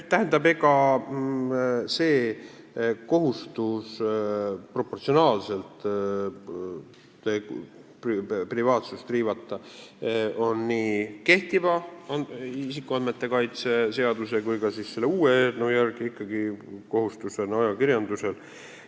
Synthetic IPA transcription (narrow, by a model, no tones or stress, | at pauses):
t̪æɦend̪ɑbeɡɑ | se̞ː | ko̞ɦust̪us | pro̞pːo̞rt̪sio̞nɑːlse̞lt̪ | e | prprivɑːt̪sust̪riːvɑt̪ːˑɑ | o̞nːiːke̞ht̪ivɑɑisikːˑuɑnme̞t̪ːe̞kɑjt̪se̞se̞ɑd̪use̞kujkɑsisse̞lːeuːeenowjærkiikːˑɑɡ̥iko̞ɦust̪use̞nɑjɑkiɾjɑnd̪use̞l